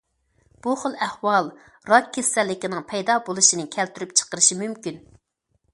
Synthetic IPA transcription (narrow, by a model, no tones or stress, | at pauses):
b̥uχəlˠɛhwɑlˠ | ɾɑkʲʰːesɛlːɪkʲinɪŋpʰɛjd̪ɑbolˠuʃinɪkʲʰɛlt̪yɾypt͡ʃʰə̥qəɾɨʃimymkʲyn